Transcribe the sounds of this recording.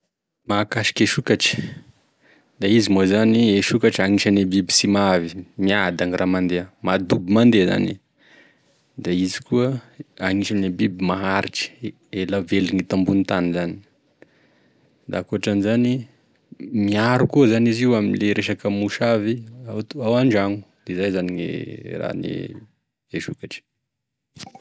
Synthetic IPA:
makaʃi̥keʃukaʈ͡ʂi̥ | d̪aizimozanieʃukaʈ͡ʂaŋiʃanebibi̥simavimiad̪aŋiramand̪eamad̪ubimand̪eza̰ni | d̪aizi̥kuəaŋiʃanebibimaɦaɾiʈ͡ʂi̥ | elaveluŋit̪ambunit̪anizani̥ | d̪a̰kuaʈ͡ʂanizani | miaɾukuəzaniziuaminleɾʔeʃakəmuʃaviat̪awaɳɖ͡ʐaŋu̥d̪̥ezajzaniŋḛra̰nḛ | eʃukaʈ͡ʂi̥

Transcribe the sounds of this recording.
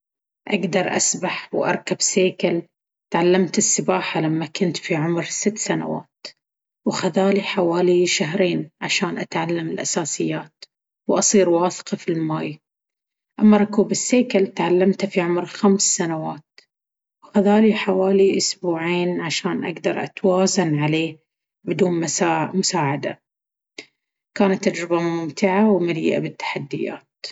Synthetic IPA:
ʔaɡd̪ɑɾˤʔa̰sbaħwʔɑ̰ɾˤkabseːkal | t̪ʕalːamt̪ɪsːɪbaːħalamːakʊnt̪fiʕʊmɾsɪt̪ːsana̰wa̰ːt̪ | wxaðaːliħawaːliʃaɦɾeːnʕaʃaːnʔat̪ʕalːamɪlʔasaːsɪjːaːt̪ | wʔɑsˤiːɾwɑːθqɑfilmaːj | ʔamːaɾˤʊkuːbɪsːeːkalt̪ʕalːamt̪fiʕʊmɾxamsːanawaːt̪ | wxaðaːliħawaːliʔʊsbuːʕiːnʕaʃaːnʔa̰ɡd̪ɑɾˤʔa̰t̪waːzanʕaleː | bɪd̪uːnmasaːmʊsaːʕad̪a̰ | kaːnat̪ːad͡ʒɾɪbamʊmt̪ɪʕawmalḭːʔa̰bɪt̪ːḁħad̪ːɪ̰ja̰ːt̪

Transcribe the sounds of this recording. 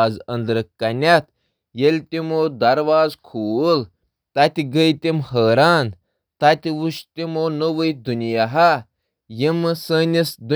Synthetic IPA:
zɐnd̪ɾɨkkːɐnʲɐt̪̚ʰ | jelʲt̪ʲimoːd̪ɐɾʋaːzkʰuːl | t̪ɐt̪ʲiɡəjt̪ʲimɦəːɾaːn | t̪ɐt̪ʲiwuʃt̪ʲimoːnəʋɨjd̪unijaɦɐ | jimɨsəːnʲisd̪u

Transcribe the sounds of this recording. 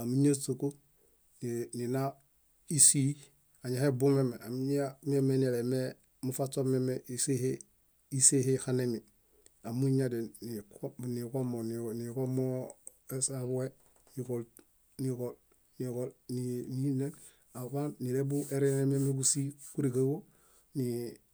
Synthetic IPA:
amiɲasoko | ninina | isi | aɲahebumemeamiɲamemenileme | mufasomemeʔisehe | isehehanemi | amuɲadenniknikomonnikomo | esabuwe | nikol | nikol | nikolnininen | aβanniɾebueɾenememekusikuɾiɡawo | ni

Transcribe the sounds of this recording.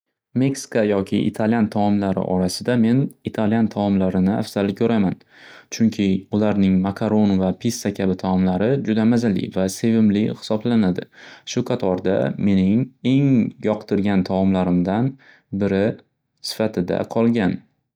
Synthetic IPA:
me̞ksɪ̥kajɒkʲʰɪʔɪ̰t̪ʰaljant̪ʰaɒmlaɾɪ̰ʔɒɾasɪd̪ame̞nɪt̪ʰaljant̪ʰaɒmlaɾɪnɪa̰fz̥alɪkʲʰɵɾaman | t͡ʃʰʊŋkʲʰɪʊlaɾnɪŋmakʰaɾo̞nvapʰisːakʲʰabɪt̪ʰaɒmlaɾɪd͡ʒʊd̪amazalɪ̰vase̞vɪmlɪhɪ̥sɒblanad̪ɪʃʊqʰɑt̪ʰɒɾd̪a̰me̞nɪŋe̞ŋjɒqt̪ɪɾɡʲant̪ʰaɒmlaɾɪmd̪an | bɪɾɪ | sɪ̥fat̪ʰɪd̪a̰qʰɒlˠɡʲan

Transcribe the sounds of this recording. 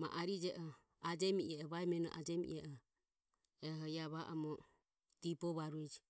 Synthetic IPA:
ma̰ʔaɾid͡ʒɛʔɔ | ad͡ʒɛmiʔɛɔβaɛmɛnɔ̰ʔa̰d͡ʒɛmḭʔɛʔɔ | ɛɦɔiaβaʔɔmɔ | t̪ipɔβaɾuɛd͡ʒi

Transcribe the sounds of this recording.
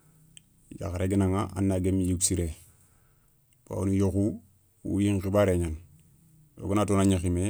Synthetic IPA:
ja̰xɾeɡinaŋaʔa̰nːaɡemijuksiɾe | b̥a̰wnujoku | ṵjiŋkibaɾeɲan | jo̰ɡunatonaɲixime

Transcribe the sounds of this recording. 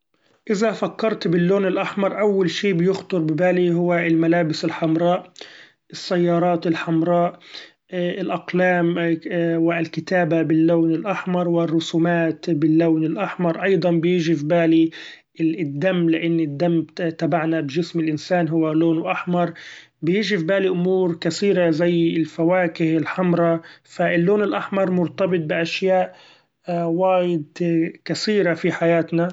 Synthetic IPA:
ʔɪzafakːɑɾˤt̪bɪlːoːnɪlʔaħmɑɾˤʔawːalʃiːbjʊxt̪ˤʊɾbɪbaːliɦʊwːaɪlmalaːbɪsɪlħamɾˤɑːʔ | ʔɪsːajːɑːɾˤɑːt̪ɪlħamɾˤɑːʔ | ɪlʔɑqlaːm | wɪlkɪt̪aːbabɪlːoːnɪlʔaħmɑɾˤwɪrˤːʊsuːmaːt̪bɪlːaːnɪlʔaħmɑɾˤʔɑjd̪ˤɑnbjiːʒifbaːli | d̪ːamːlɪʔɪnːɪd̪ːamt̪abaʕnabɪʒɪsmɪlʔɪnsaːnɦʊwːaloːnwʔaħmɑɾˤ | bɪjɪːʒɪfbaːliʔʊmuːɾkasiːɾazajːɪlfawaːkɪhɪlħamɾˤɑfaɪlːoːnɪlʔaħmɑɾˤmʊɾt̪ɑbɪt̪̚ˤbɪʔaʃjaːʔ | waːjɪd̪kasiːɾafiħajaːt̪na

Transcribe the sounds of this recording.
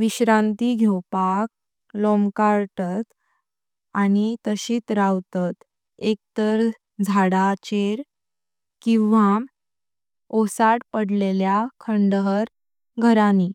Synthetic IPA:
ʋiɕɾãnt̪iɡʱewpak̚ | lɔmkaɾt̪at̪ | añit̪əɕiːt̪ɾawt̪at̪ | ek̚t̪əɾ | d͡zʱaɽat͡ɕeɾ | kĩwʋa | osaʈpəɽleljakʰəɳɖəɦəɾ | ɡʱəɾani

